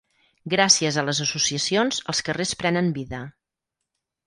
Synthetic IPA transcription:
ɡɾasiəzələzəsusiəsionz̥əlˠskərespɾɛnəmbiðə

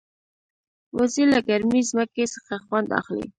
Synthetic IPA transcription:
wazilaɡaɾmizməkesə̥xaxwand̪a̰xlḭ

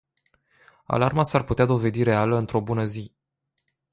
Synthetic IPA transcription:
a̰larmasarput̪ead̪o̞ve̞d̪iɾe̞aləɨnt̪ɾo̞bunəzi

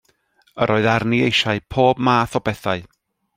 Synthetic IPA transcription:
əɾʔoːɨðarniejʃaɨpʰoːbmaːθɔbɛθaɨ

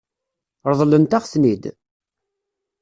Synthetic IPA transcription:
ɾˤðˤlənt̪aʁsnid̪

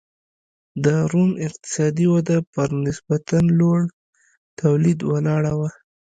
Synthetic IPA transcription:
d̪əɾumɪqt̪ɪ̥sɑd̪iwad̪apəɾnɪsbat̪anloɽ | t̪awlid̪walɑɽawa

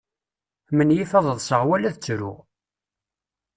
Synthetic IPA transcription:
mənjifɑðˤəðˤsəʁwælæθt͡sːɾʊ̰

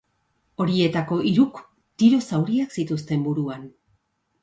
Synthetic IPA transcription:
o̞ɾie̞t̪ako̞ʔiɾuk | t̪iɾo̞sawɾiaksit̪ust̪e̞mbuɾuan

